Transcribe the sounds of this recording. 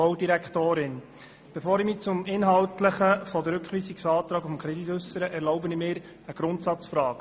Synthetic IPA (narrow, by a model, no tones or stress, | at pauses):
ɔʊdiɾækχt̪oːɾɪn | b̥efoːɾimit͡sʊmɪnɦɑwtləχəfɔd̪əɾʉkχʋiːsiksɑːt̪ɾɑːɡʊfmkʰɾɛd̪it̪ɵsːəɾəʔɛɾlɔʊbənɪmɪːɾ | əɡ̥ɾʊnt̪sɑt͡sfɾɑːk